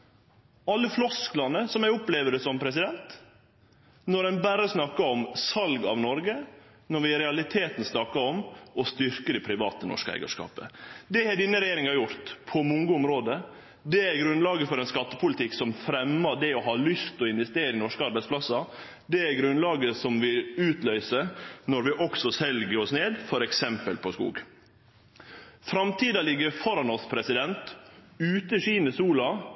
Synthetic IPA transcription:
ɑlːəflɔsklɑnəsɔmæʊpleːʋəɾəsɔmpʰɾɛs̬ɪd̪ɛnt̪ | nɔɾɛnbæɾəsnɑkːɑɔmsɑlɡɑ̰ʋnɔɾɡə | nɔɾʋɪɾɛɑlɪt̪ʰeːt̪n̩snɑkːɑɔmɔst̪ʏɾkəd̪ɛpʰɾɪʋɑ̰ːt̪ənɔ̰ʂkəæ̰ɪɡɑ̰ʂkɑ̰ːpə̰d̪ɛhɛɖɪnːəɾɛjeːɾɪŋɑjʊɾt̪pʰɔmʊŋɡəʊmɾoːd̪ə | d̪ɛæɾɡɾʉnlɑːɡəfɔɾɛnskɑt̪ːəpʰʊlɪt̪ɪksɔmfɾɛmːɑɖɛɔɦɑːlʏst̪ɔɪnʋɛst̪eːɾəɪnɔʂkəɑɾbæɪspʰlɑsɑ | d̪ɛæɾɡɾʉnlɑːɡəsɔmʋɪʉːt̪lœʏsənɔɾʋɪʔɔksɔsɛlɡəɾɔsneːd̪fɔɾɛksɛmpəlpʰɔskṵːɡ | fɾɑmt̪ʰiːd̪ɑlɪɡəfɔɾɑnɔspʰɾɛsɪd̪ɛnt̪ʉːt̪əɕiːnəsuːlɑ

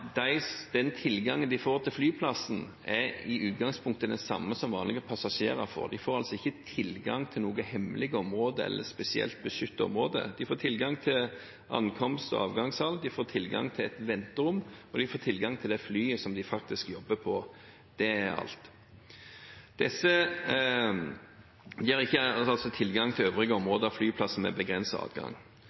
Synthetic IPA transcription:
d̪æɪsd̪̥ɛnt̪ʰɪlːɡɑŋənd̪ɪfoːɾt̪ʰɪlflyːpʰlɑsn̩ | ɛɪʉːt̪ɡɑŋspʰʊŋk̚t̪əd̪ɛnsɑ̰mːəsɔmʋɑːnlɪɡəpʰɑsɑʂeːʁɑɾfɔ̰ʁd̪ɪfoːɾɑlsɔɪçːət̪ʰɪlɡɑ̰ŋt̪ʰɪlnoːɡəhɛmlɪɡəɔmɾoːd̪əɛ̰lːʔəspɛsɪɛ̰lt̪̚bəʂʏt̪ːɔ̰mʁoːd̪ə̰d̪ɪfoːt̪ʰɪlɡɑŋt̪ʰɪl | ʔɑ̰nkʰɔmst̪ɔ̰ɑ̰ːʋɡɑŋshɑlːd̪ɪfoːt̪ʰɪlɡɑ̰ŋt̪ʰɪlɛt̪ʋɛnt̪əɾʊmːɔd̪ɪfoːt̪ʰɪlɡɑŋt̪ʰɪld̪ɛflyːəsɔmd̪ɪfɑk̚t̪ɪskjɔbːəpʰɔ | d̪̥ɛɑ̰lt̪ | d̪̥ɛsːə | d̪ɪɑʁɪçːəɑlsɔt̪ʰɪlɡɑŋt̪ʰɪløːʋɾɪɡəɔmʁoːd̪əɑflyːpʰlɑsːəmɛ̰bəɡʁɛnsɑɑ̰ːd̪ɡɑ̰ŋ

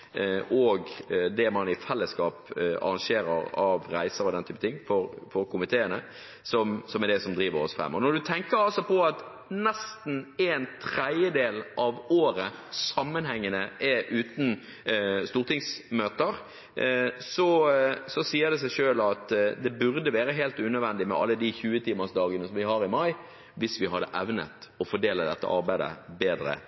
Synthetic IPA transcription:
ʔɔɡd̪ɛmɑnɪfɛlːəskɑːpɑ̰ɾɑŋʃeːɾə̰ɾɑʋɾæɪsəɾɔd̪ɛnt̪ʰyːpət̪ʰɪŋːfɔɾfɔɾkʰʊmɪt̪ʰeːənə | sɔmsɔmɛd̪ɛsɔmd̪ɾiːʋəɾɔ̰sfʁɛ̰mːɔnɔd̪ʉt̪ʰɛŋkəɾɑlsɔpʰɔɑt̪ | nɛst̪n̩ɛnt̪ʰɾɛd̪jəd̪eːlʔɑʋoːɾəsɑmːənhɛŋːənəʔɛʔʉːt̪n̩ | st̪uːʁt̪ɪŋsmøːt̪əɾ | sɔsɔsiːəʁd̪ɛs̬æɪʂøːlɑt̪d̪ɛbʉɾd̪əʋæːɾəɦeːlt̪ʉːnœd̪ʋɛnd̪ɪmɛ̰ʔɑ̰lːəd̪içʉːət̪ʰiːməsd̪ɑːɡənəsɔmʋɪɦɑɾɪmɑɪ | ʋɪsʋɪɦɑd̪ːə̰ʔɛʋnə̰t̪ɔfɔɖeːləd̪ɛt̪ːə̰ʔɑ̰ɾbæɪd̪ə̰beːd̪ɾə̰

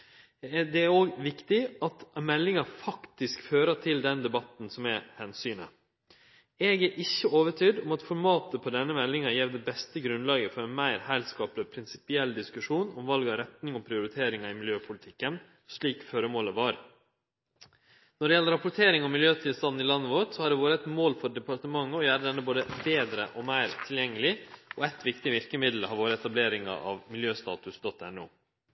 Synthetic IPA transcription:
d̪ɛæɾoːɡʋɪkt̪ɪɑt̪mɛlːɪŋɑfɑkt̪ɪskføːɾəʈ̪ʰɪld̪ɛnd̪ɛbɑt̪n̩sɔmɛhɛnsyːnə̰ | ɛːɡæɾʔɪçːəoːʋəʈʰyːɖɔmɑt̪fɔɾmɑːt̪əpʰɔd̪ɛnːəmɛlːɪŋɑjɛʋd̪ɛbɛst̪əɡɾʉnlɑːɡəfɔɾɛnmæɪɾhæɪlskɑːplɪpʰɾɪnsɪ̥pɪɛlːd̪ɪskʉʂuːnɔmʋɑlɡɑɾɛt̪nɪŋɔpʰɾɪʊɾɪt̪ʰeːɾɪŋɑɪmɪljøːpʰʊlɪt̪ʰɪkːən | ʂɭiːkføːɾəmoːləʋɑːɾ | nɔɖɛjɛlːəɾɑpʊʈʰeːɾɪŋɑʋmɪljøːt̪ʰɪlst̪ɑnn̩ɪlɑnːəʋoʈsɔhɑɖɛʋoːɾəɛt̪moːlfɔɖɛpɑɾt̪əmɑŋːəɔjæːɾəd̪ɛnːəboːd̪əbeːd̪ɾə̰ʔɔmæɪɾt̪ʰɪljɛŋːəlɪɔɛt̪ʋɪkt̪ɪʋɪɾkəmɪd̪l̩hɑɾʋoːɾəɛt̪ɑbleːɾɪŋɑ̰ʔɑ̰ʋmɪljøːst̪ɑ̰ːt̪ʉsd̪ɔt̪ːɛnṵː

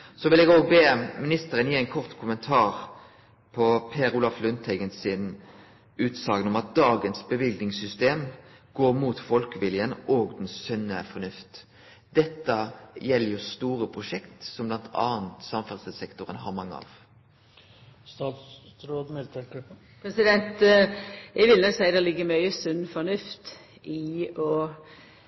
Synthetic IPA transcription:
sɔʋɪlɛɡoːɡbeːmɪnɪst̪əɾənjiːæɪnkʰɔʁt̪kʰʊmənt̪ʰɑːʁ | pʰɔpʰeːɾuːlɑflʉnt̪ʰæɪɡənsɪn | ʉːt̪sɑːɡənɔmɑt̪̚d̪ɑːɡənsbəʋɪld̪nɪŋsʏst̪eːm | ɡ̥oːɾmuːt̪fɔlkəʋɪljənoːɡd̪ɛn̩ssœnːəfɔnʉft̪ | d̪̥ɛt̪ːəjɛlːəɾjʊst̪uːɾəpʰɾʊʃɛkt̪sɔmblɑnt̪ʰɑ̰ːənt̪sɑmfɛʁsəsɛkt̪ʊɾə̰nɦɑ̰ɾmɑŋːə̰ɑ̰ːʋ | st̪ɑːt̪ɾoːd̪mɪlt̪əɾɡ | pʰɾɛsɪd̪ɛnt̪ | jɛɪʋɪlnɔksæɪd̪ɛlɪɡːəmœʏəsʉnːfɔnʉft̪ | ʔɪɔ

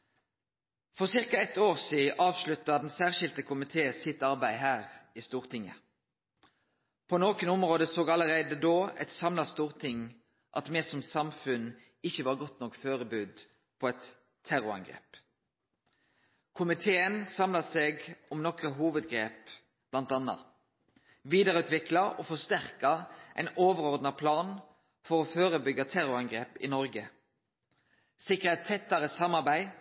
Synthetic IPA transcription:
fɔʁsɪʁkɑɛt̪oːʁsiːʔɑːʋʃlʉt̪ːɑd̪ɛnsæːʁʃɪlt̪əkʰʊmɪt̪ʰeːsɪt̪ɑʁbæɪɦæːʁiːst̪uːʁt̪ʰɪŋːə̰ | pʰɔnoːkənʊmʁoːd̪əsoːɡɑləʁæɪd̪əd̪oːɛ̰t̪sɑmlɑst̪uːʁt̪ʰɪŋ | ʔɑt̪mɛːsɔmsɑmfʉn | ɪçːəʋɑːʁɡɔt̪nɔkføːʁəbʉːd̪ | pʰɔɛt̪ʰː | æʁʊɑ̰ŋɡʁḛːp | kʰʊmɪt̪ʰeːənsɑmlɑseːɡɔmnɔkəɦuːʋəd̪ɡɾeːp | b̥lɑnt̪ɑnːɑ̰ | ʋiːd̪əɾəʉːt̪ʋɪklɑʔɔfɔst̪æʁkɑʔæ̰ɪnoːʋəɾɔʁd̪nɑpʰlɑːn | fɔɾɔːføːɾəbʏɡɑt̪ʰæɾʊɑŋɡɾeːpɪ̰nɔɾɡə | sɪkːəɛt̪ʰːɛt̪ːɑɾəsɑmːɑɾbæɪ

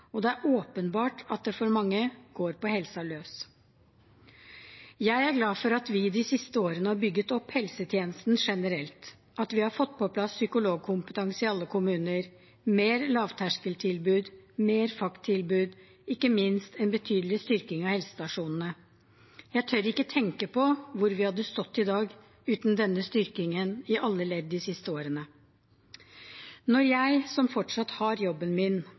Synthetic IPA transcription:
ɔd̪ɛæɾʔoːpənbɑːʈɑt̪̚d̪ɛfɔɾmɑŋːəɡ̥oːɾpɔhɛlsɑløːs | jæɪæɾɡlɑːfɔɾɑt̪ʋɪd̪ɪsɪst̪əoːɾənəhɑɾbʏɡːət̪ɔpːhɛlsət̪ʰjeːnəst̪n̩ʂɛnəɾɛlt̪ | ʔɑt̪ʋɪhɑɾfɔt̪ːpʰɔpʰlɑsːʏkʊloːɡ̚kʰʊmpət̪ɛŋsɪɑlːəkʰʊmʉːnəɾ | meːɾlɑːʋt̪ʰæʂkəlt̪ʰɪlbʉːd̪meːɾfɑkt̪ʰːɪlbʉːd̪ | ɪkːəmɪnst̪ɛnbət̪ʰyːd̪əlɪst̪ʏɾkɪŋɑʋhɛlsə̥st̪ɑʂuːnn̩ə | jæɪt̪ʰœɾɪkːət̪ʰɛŋkəpɔʋʊɾʋɪhɑd̪ːəst̪ɔt̪ːɪd̪ɑːɡ | ʉːt̪nd̪ɛnːəst̪ʏɾkɪŋənɪʔɑlːəɭɛːd̪ːɪsɪst̪əoːɾənə | nɔɾjæɪsɔmfɔʈʂɑt̪hɑɾjɔbːənmɪn

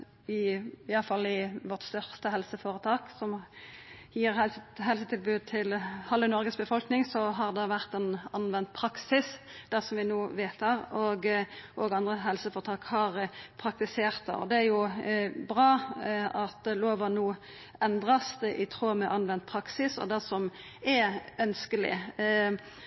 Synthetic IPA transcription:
ɪɑləfɑlːɪʋɔt̪st̪œʁst̪əhɛlsəfoːɾət̪ʰɑːksɔm | jiːɾhɛɦɛlsət̪ʰɪlbʉːd̪̚t̪ʰɪlhɑlːənɔɾɡəsbəfɔlknɪŋsɔɦɑʁd̪ɑʋæʁt̪ɛnɑnʋɛnt̪̚pʰɾɑksɪsd̪̥æʁsɔmʋɪnuːʋeːt̪hɑʁɔɡʔoːɡɑnd̪ʁəɦɛlsəfɔt̪ʰɑːkhɑʁpʰɾɑk̚t̪ɪseːʁt̪ɑ̰ɔ̰d̪ɛæɾjʊbʁɑːɑt̪loːʋɔnuː | ɛnd̪ʁɑsd̪ɛʔɪt̪ʰɾoːmɛʔɑnʋɛnt̪̚pʰɾɑksɪsɔ̰d̪æsɔm | ɛœnskəlɪ̰

